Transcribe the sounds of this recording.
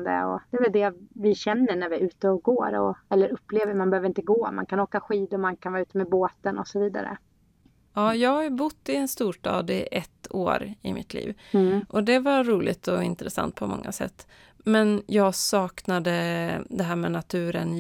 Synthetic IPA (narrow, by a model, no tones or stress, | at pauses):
d̪ə̰ɔ̰d̪̥ɛvɛld̪ɛvɪɕɛnːəɳæɾvɪʉ̟ːt̪əɔɡoːɾɔ̰ɛlːəɾɵpːleːvəɾmanbɛhøvɾɪnt̪əɡoːma̰nkʰanoːkaɧiːd̪ʊmankʰanvɑːʉːt̪əmɛboːt̪ənɔsɔviːd̪a̰ɾə̰ | ɑːjɑːɡhajbʊt̪ːɪɛnst̪uːʂʈɑ̰ːd̪ɪʔɛt̪ːo̰ːɾɪmɪt̪ʰlḭːvʔɔd̪ɛvaɾuːlɪt̪ʰɔɪnt̪ɾɛsa̰nt̪̚pʰɔmɔ̰ŋːa̰sɛ̰t̪ː | mɛnjɑːɡsɑːknad̪əd̪ɛɦæːɾmɛnat̪ʰʉ̟ːɾən